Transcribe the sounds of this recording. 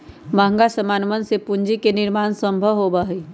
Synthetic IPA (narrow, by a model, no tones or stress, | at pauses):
məɦə̃ŋɡasəmaːnmənsepʊɲd͡ʒikenɪɾmaːnsə̃mbʱəʋɦobəɦi